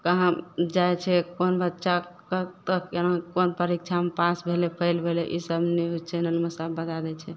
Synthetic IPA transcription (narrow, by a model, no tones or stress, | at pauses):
kəɦãd͡ʒajt͡ʃʰɛkonbətːʃʰakət̪əkenakonpəɾik̚t͡ʃʰamepasbʱelepʰəɪlbʱeleʔisəbnɛɦut͡ʃʰenəlmesəbːəd̪ad̪ɛt͡ʃʰɛ